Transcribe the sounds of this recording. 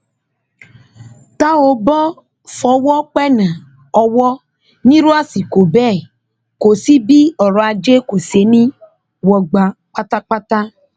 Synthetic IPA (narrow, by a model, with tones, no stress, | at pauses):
ta˦o˨bɔ˦ | fɔ˨wɔ˦k͡pɛ˦na˨ | ɔ˧wɔ˦ | nĩ˦ɾu˦a˦si˨ko˨bɛ˦˨ | ko˨si˦bi˦ɔ˨ɾɔ˨a˧d͡ʒe˦ko˨se˨nĩ˦ | wɔ˨ɡ͡ba˨k͡pa˦ta˦k͡pa˦ta˦